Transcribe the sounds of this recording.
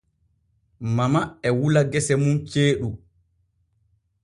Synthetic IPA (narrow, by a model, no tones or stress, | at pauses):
mamaɛwulaɡɛsɛmunt͡ʃeːɗu